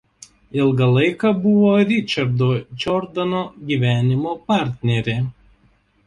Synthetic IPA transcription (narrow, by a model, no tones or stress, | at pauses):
ɪlˠɡɐlˠɐɪkɐbʊʋoːɾʲɪt͡ʃʲɐɾd̪oːd͡ʒʲɔɾd̪ɐnoːɡʲiʋʲæːnʲɪmopɑˑɾʲt̪ʲnʲɛɾʲeː